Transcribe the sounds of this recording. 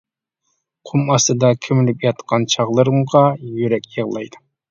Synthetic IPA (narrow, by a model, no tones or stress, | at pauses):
qʰumɑst̪ɨd̪ɑkʲʰymylypjɑt̪qʰɑnt͡ʃʰɑʁlˠɨɾɨmʁɑjyɾɛkʲjəʁlˠɑ̰jd̪ɨ